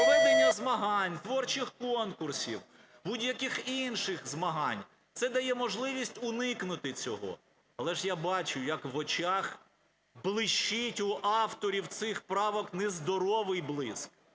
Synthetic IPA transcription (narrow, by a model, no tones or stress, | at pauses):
ɔɛnɛjɛzmɐɦɑnʲt̪ʋɔrt͡ʃɪxkɔnkʊrsʲiw | budʲjɐkʲɪxinʃɪxzmɐɦɑnʲ | t̪sɛd̪ɐjɛmɔʒlˠɪʋʲisʲtʲʊnɪknʊt̪ɪt͡sʲɔɦɔ̰ | ɐlˠɛʒjabɑt͡ʃʊjɐkʋɔt͡ʃɑx | blˠɪʃt͡ʃːitʲʊʔɑft̪ɔɾʲiwt̪sɪxpɾɑʋɔknɛzd̪ɔɾɔʋɪjblˠɪsk̚